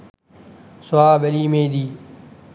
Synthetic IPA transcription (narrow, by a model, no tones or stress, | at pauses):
sʊaːbəliːmẽːd̪iː